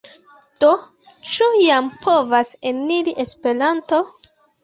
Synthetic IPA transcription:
d̥o | t͡ʃujampʰo̞vaseniɾiʔe̞spe̞ɾanto̞

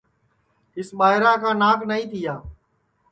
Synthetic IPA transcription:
ɪsɓaːɦɪɾãːkãːnãːknəĩːt̪ʰɪjaː

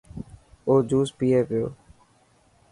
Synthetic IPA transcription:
oːd͡ʒuːspiːeːpɪjo̰ː

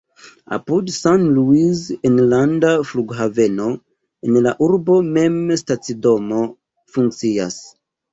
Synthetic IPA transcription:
a̰pudsanluizenlandafluɡɦave̞no̞ | enlaʔuɾbo̞me̞mstat͡sido̞mo̞ | fuŋk̚t͡sias

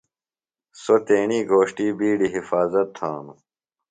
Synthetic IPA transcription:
sot̪eːɳiːɡʱoːɕʈiːbiːɖiɦifaːzɐt̪ʰːã̰ːnu

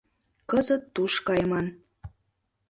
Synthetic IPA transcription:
kəzət̪ːuʃkɑjmɑn

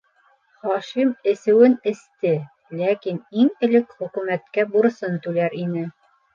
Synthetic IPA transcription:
χɒʃimɘ̆sɘ̆wɘnɘ̆st̪ɘ | lækiniŋɘ̆lɘkχɵ̆kʉmæt̪kæbuɾsɤnt̪ʉlæɾinɘ

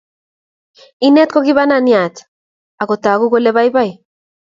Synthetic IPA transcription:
inet̪̚koɣiβananiat̪ | aɣot̪aɣuɣeleβajβaj

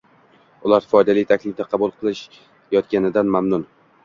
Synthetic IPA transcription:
ʊlˠaɾfɒjd̪alɪjt̪ʰakʲlɪfd̪aqʰɑbʊlˠqʰɨlˠɪʃ | jɒt̪kʲanɪd̪anmamnʊn

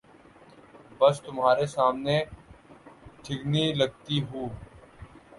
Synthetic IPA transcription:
bəst̪ʊmɦaːɾesaːmneː | ʈʰɪɡniləɡ̚t̪iɦuː

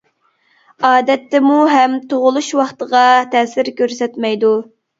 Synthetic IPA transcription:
ɑːd̪ɛt̪ːɛmuɦɛmt̪ʰoʁʊlˠuʃwɑχt̪əʁɑt̪ʰɛsɪɾkʲøɾsɛt̪mɛjd̪u

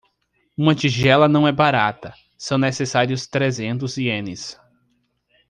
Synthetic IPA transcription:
ũmɐt͡ʃiʒɛlɐnɐ̃w̃ɛbaɾat̪ɐ | sɐ̃w̃nesesaɾiʊst̪ɾezẽnt̪ʊziẽnɪs

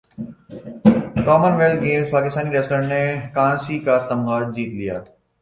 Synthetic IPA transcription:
kɔːmənʋeːlɡeːmspaːkɪst̪aːniɾeːsʈəɾnekãːsikat̪ɐ̃mɡaːd͡ʑiːt̪lija̰ː

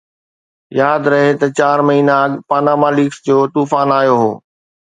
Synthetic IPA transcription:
jaːd̪ɾɐɦet̪ɐt͡ɕaːɾmɐɦiːnaɐɠpaːnaːmaːliksd͡ʑoːt̪uːfaːnaːjoɦo̰ː

